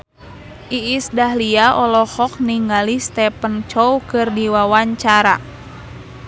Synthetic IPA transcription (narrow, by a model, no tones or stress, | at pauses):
ʔiːsdaɦliaʔɔlɔhɔk̚niŋalist̪ɛpənt͡ʃɔwkɨrdiwawaɲt͡ʃaɾa